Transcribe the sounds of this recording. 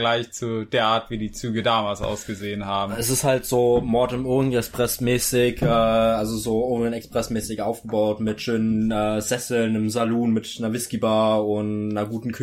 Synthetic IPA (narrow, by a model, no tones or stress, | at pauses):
laɪçt͡sud̥eːɐʔaːɐtv̥iːdiːt͡syːɡədaːmaːlsʔa̰ʊsɡ̥əzeːənhaːbm̩ɛsɪsthaltz̥oːmɔɐtəmʊɪŋɛkspʁ̥ɛsmɛːsɪçʔɛːʔalzozoːʔoːʁɪɡŋɛkspʁ̥ɛsmɛːsɪçʔaʊfɡ̥əbaʊtmɪtʃøːnənʔɛːzɛsl̩nəmzaluːnmɪtnɐvɪskibaːʊntnɐɡuːtn̩kʰ